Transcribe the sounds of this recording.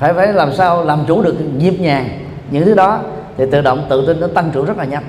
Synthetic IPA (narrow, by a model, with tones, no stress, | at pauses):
faː˧˩jfaː˧˩jlaː˨˩msaː˧wlaː˨˩mt͡ɕu˧˩˦ɗɨ˨˩əkɲi˨˩əp̚ɲaː˨˩ŋ | ɲɨ̰˧˥ŋt̪ʰɨ˨˦˥ɗɔ˨˦ | t̪ʰi˨˩t̪ɨ̰˧˨ɗə̰˧˨wŋ͡mt̪ɨ̰˧˨t̪i˧nːɔ˨˦t̪a˧ŋt͡ɕu˧˩zə˦˥laː˨˩ɲa˨˦˩m̚